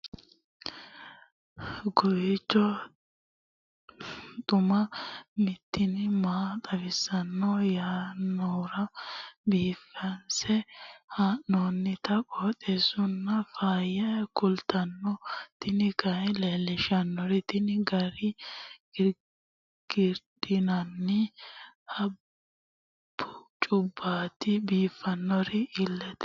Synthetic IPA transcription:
ɡʊɪt͡ʃːɔ | t̪ʼʊmɐmɪt̪ʰːɪnɪmaːt̪ʼɐvɪsːɐnːɔjaːnːɔɾɐbiːfːɐnsɛhanːoːnːɪt̪ɐkʼoːt̪ʼesʊnːɐfaːjɛkʊlt̪ɐnːɔt̪ɪnɪkɐleːlːɪʃɐnːɔɾɪt̪ɪnɪɡɐɾɪɡ̥ɪɾ | ɡ̥ɪɾd̪ɪnɐnːɪhɐ | b̥ːʊt͡ʃʼʊbːaːt̪ɪbiːfɐnːɔɾɪɪlːɛt̪

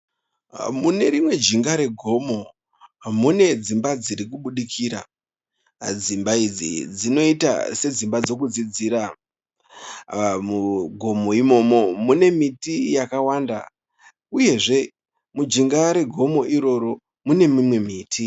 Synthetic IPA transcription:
mune̞ɾimwe̞d͡ʒiŋɡaɾe̞ɡʱo̞mo̞ | mune̞d͡zimbad͡ziɾikuɓuɗikʰiːɾa̰ | d͡zimbaid͡zḭd͡zino̞ita̰se̞d͡zimbad͡zo̞k̬ud͡zid͡ziɾa | muɡʱo̞moimo̞mo̞mune̞mitijakawanda̰ | uje̞ʐe̞ | mud͡ʒiŋɡaɾe̞ɡʱo̞mo̞ʔiɾo̞ɾo̞ | mune̞mimwe̞miːtʰi

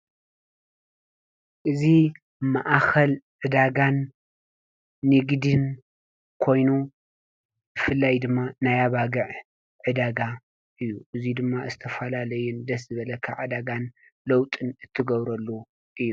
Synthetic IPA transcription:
ʔɨzi | maʔxʰɐlʕɨd̪aɡan | ɨɡd̪ɨn | kʰo̞jnu | b̥ɨfɨlːajd̪ɨmːanajaβaɡɐʕ | ʕɨd̪aɡa | ʔɨjːuʔɨzid̪ɨmːazɨt̪ʰɐfɐlalɐjund̪ɐszɨβɐlɐkʰːa̰ʕɨd̪aɡan | lɐwt̪ʼɨnɨt̪ʰːɨɡɐβɾɐlːu | ʔɨjːu

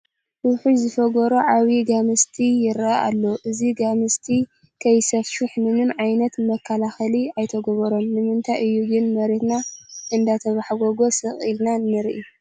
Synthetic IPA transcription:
ʔuħuzɨfɐɡoɾoʕaβiɡamɨst̪ʰijɪɾaʔa̰lːoʔɨziɡamɨst̪ʰi | kʰɐjsɐfʃuħmɨnɨnʕajnɐt̪mɐkʰːɐlaxɐliajt̪ʰɐɡɔβɐɾomːɨmɨnt̪ʰajʔɨjːuɡɨnmɐɾet̪naʔɨnd̪at̪ʰɐβaħɡoɡo̞sɨχʼilnanːɨɾʔi

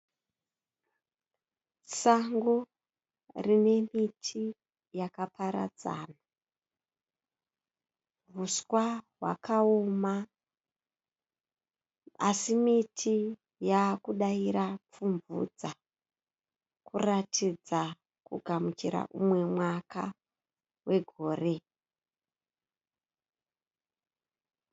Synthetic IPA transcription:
saŋɡo | rine̞mitʰi | jakapʰaɾa̰d͡za̰ːna | vʱuskwaɦwa̰kaoma | asimitʰi | jakuɗaiɾap͡fuɱvṵd͡za | kuratid͡za | kuɡʱamut͡ʃiɾa̰ʔumwe̞mwaka̰ | we̞ɡʱo̞ːre̞

